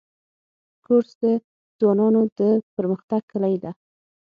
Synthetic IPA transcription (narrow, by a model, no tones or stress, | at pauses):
koɾsd̪ə | z̥wɑnɑnod̪əpəɾməxt̪aɡ̚kəlajd̪a